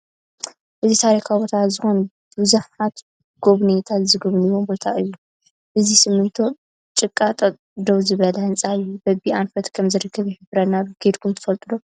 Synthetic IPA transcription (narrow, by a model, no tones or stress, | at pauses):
ʔɨzit̪ʰaɾikʰabo̞t̪ʰazɨxo̞n | bɨzuħat̪ | ɡ̥o̞βnet̪ʰat̪zɨɡɨβnɨwombo̞t̪ʰaʔɨjːu | ʔɨzisɨmːɨnt̪ʰo̞ | t͡ʃʼɨkʼːat̪ʼɐ | d̪owzɨβɐlɐhɨnt͡sʼaɨjːubɐbiʔanfɐt̪kʰɐmzɨɾɨkːɐβjiħɨbɾɐnaluɡ̥ed̪kʰumt̪ʰɨ̥fɐlt̪ʼɨd̪o̞